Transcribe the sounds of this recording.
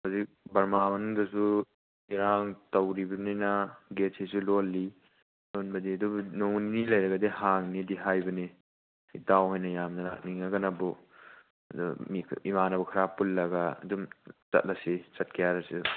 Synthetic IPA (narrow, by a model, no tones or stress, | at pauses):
hazik̚bɐɾmabɐndɐsu | iɾaŋtɐwɾibɐninaɡetʰsisulolːi | lonbɐdiɐdubnoŋninilɐjɾɐɡɐdehaŋnidiɦajbɐni | itawɦɔjnɐjamnɐla̰k̚niŋaɡɐnabɔ | ɐdumiimanabukʰaɾapulːɐɡaɐ̰dumt͡ʃɐ̰t̚lasit͡ʃɐt̚kʰijaɾasi